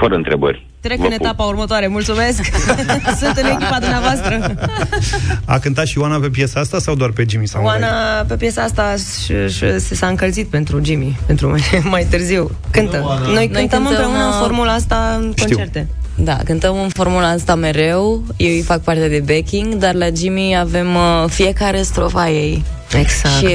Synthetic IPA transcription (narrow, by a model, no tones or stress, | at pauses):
fəɾəɨnt̪ɾebə̰rʲ | t̪ɾe̞kkɨne̞t̪apaurmət̪oaɾe̞mult̪sume̞sksunt̪ɨnekʲipad̪umneavoast̪ɾə | a̰kɨnt̪at̪ʃiuwanape̞p̬jesaast̪asawd̪oarpe̞d͡ʒimisawwannape̞pjesaast̪a | ʃʃsesaɨŋkəlt̪zit̪̚pe̞nt̪ɾud͡ʒimipe̞nt̪ɾumeemajt̪ɨrziw | kɨnt̪əno̞jnoɨjnk̪ɨənmɨ̃npɾeunəɨnfo̞rmulaast̪akonit͡ʃert̪e̞ | d̪a̰kɨnt̪əmɨnfo̞rmulaast̪ame̞ɾe̞w | je̞wijfak̚part̪ed̪e̞bekʲiŋɡd̪arlad͡ʒimiave̞mfie̞kaɾe̞st̪ɾo̞faje̞j | eɡsaʃi